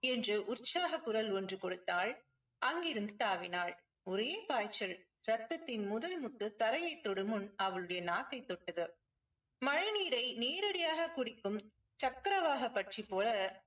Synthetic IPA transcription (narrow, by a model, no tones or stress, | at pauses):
ɛndrɯʔʊrt͡ʃaːɣɐkːʊɾɐlɔndrɯkɔɽɯt̪ːaːɭ | ʔɐŋɡɪɾɯnd̪ɯt̪aːʋɪnaːɭ | ɔɾjeːpaːjt͡ʃːɐl | ɾɐt̪ːɐt̪ːɪnmʊðɐlmʊt̪ːɯt̪ɐɾɐjɐɪt̪ːɔɽɯmɯnɐʋɐɭɯɽɐjɐnaːkːɐɪt̪ːɔʈːɐðɯ | mɐɻɐniːɾɐɪneːɾɐɽɪjaːɣɐkʊɽɪkːɯm | t͡ʃɐkːɐɾɐʋaːɣɐpːɐʈripːoːlɐ